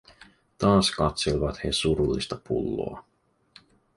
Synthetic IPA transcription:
t̪ɑːskɑt̪selʋɑt̪hesuɾulːist̪ɑpṵlːo̰ɑ

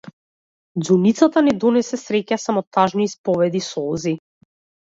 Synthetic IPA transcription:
d̪zunit̪sat̪anɛd̪ɔnɛsɛsɾɛcasamɔt̪aʒniːspɔvɛd̪isɔɔzi

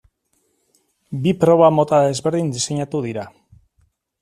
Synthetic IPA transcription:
bipɾo̞β̞amo̞t̪aðe̞zβe̞ɾðind̪ise̞ɲat̪uðiɾa

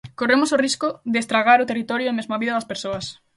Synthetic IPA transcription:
koremosoriskʊðeest̪ɾaɣ̞aɾʊt̪erit̪ɔɾjoemezmaβiðɐðɐspeɾsoɐs

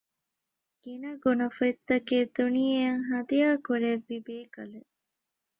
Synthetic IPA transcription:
ɡ̥inɐɡonɐfɐit̪ːɐkeːd̪unijɐŋɦɐd̪ijaːkuɾeʋːibeːkɐle

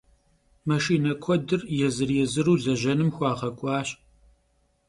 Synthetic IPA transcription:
mɐʃiːnɐkʷʰɔdɨrjɛzɨrjɛzɨɾuːzɐʑɐnɨmxʷɑːʁɐkʷʼɑːɕ

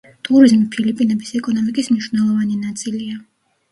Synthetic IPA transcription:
t̪ʰʼuɾizmipʰilipʼinɛbisɛkʼɔnɔmikʼismiʃunɛlˠɔvanɛnat̪sʰʼilia

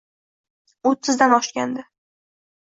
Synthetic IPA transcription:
ot̪ʰːɪzd̪anɒʃkʲa̰nd̪ɪ

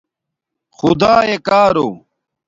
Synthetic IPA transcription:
xʊd̪aːekaːɾoː

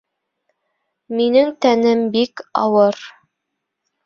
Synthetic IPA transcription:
minɘŋt̪ænɘmbikɑ̰wɤɾ

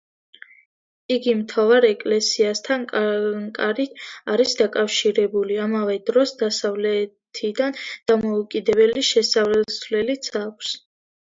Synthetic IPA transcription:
iɡimt̪ʰavaɾɛkʼlɛsiast̪ʰanŋkʼaɾit̪ʰaɾisd̪akʼafʃiɾɛbuliamavɛd̪̥ɾɔsd̪asavlɛt̪ʰid̪and̪̥amɔukʼid̪ɛβɛliʃɛsavlɛsvlɛlit̪sʰakʷʰs

